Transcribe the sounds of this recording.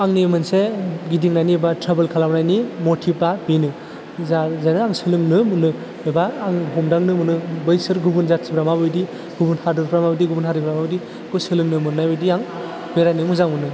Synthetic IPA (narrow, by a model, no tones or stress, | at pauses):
aŋnimɯnseɡidiŋnajnibatʰɾabelkʰalamnajnimotʰipabinɯ | zazanɯaŋsɯlɯŋnɯmɯnːɯ | ebaːŋɦɔmdaŋnɯmɯnɯbɯjsɯɾɡubunzatsibɾamabɯjdi | ɡubunhadɯɾpʰɾamabɯdiɡubunhaɾɯpʰɾamabɯdi | kʰusɯlɯŋnɯmɯnnajbɯjdiaŋ | beɾajnɯmuzaŋmunːɯ